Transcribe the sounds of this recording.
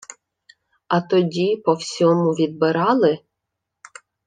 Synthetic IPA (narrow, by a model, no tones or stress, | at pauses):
ɐt̪ɔdʲipɔwsʲɔmʊʋʲid̪̚bɪɾɑlˠɪ